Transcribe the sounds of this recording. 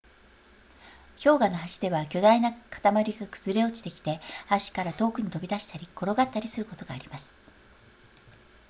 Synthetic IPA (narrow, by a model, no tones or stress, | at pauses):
ço̞ːɡano̞ɦaɕi̥d̪e̞βakʲo̞d̪ainakḁt̪amaɾʲiɡakɯ̥z̥ɨɾe̞o̞t͡ɕi̥t̪e̞kʲi̥t̪e̞aɕi̥kaɾat̪o̞ːkɯ̟ɲ̟it̪o̞bʲid̪aɕi̥t̪aɾʲiko̞ɾo̞ɡat̪ːaɾʲisɨɾɯ̟ko̞t̪o̞ɡa̰ːɾʲimasɨ̥